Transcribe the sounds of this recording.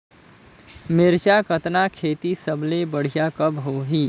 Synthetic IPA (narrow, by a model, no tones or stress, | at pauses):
mɪɾt͡ʃakət̪nakʰeːt̪isəblebəɽ̤ijakɐbɦoɦiː